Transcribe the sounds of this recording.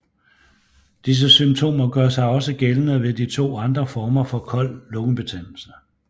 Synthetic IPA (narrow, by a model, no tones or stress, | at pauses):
d̥is̬əsymt͡sʰo̝̰ːmɐɡ̥ɶɐsɑ̈ɪɒ̽səɡ̥elnəʋe̝d̥it͡sʰo̝̰ːɑ̈nd̥ʁɐfɒːmɐfɒ̽kʰɒ̽l̰ːɔɡ̥n̩b̥e̝t͡sʰen̰l̩s̩